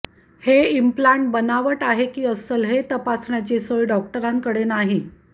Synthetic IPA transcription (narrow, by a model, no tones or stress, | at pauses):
heimplaɳʈ̚bənaʋəʈaɦekiːəsəlɦet̪əpasɳjat͡ɕesəjɖɔk̚ʈəɾãŋkəɽenaɦi